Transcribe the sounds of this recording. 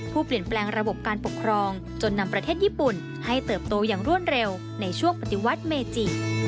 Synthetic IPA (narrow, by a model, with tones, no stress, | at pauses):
pʰuː˥˩pli˨˩ənplɛː˧ŋɾa˧bo˨˩p̚kaː˧npo˨˩kʰɾɔː˧ŋ | t͡ɕo˧nːa˧mpɾa˧t̪ʰeː˥˩t̪̚ʔiː˥˩pu˨˩n | ha˥˩jt̪ɤː˨˩p̚t̪oː˧jaː˨˩ŋɾu˥˩ən̚ɾe˧w | na˧jt͡ɕʰu˥˩əŋpa˨˧t̪i˧˥wa˦˥t̪̚meː˧t͡ɕi˨˩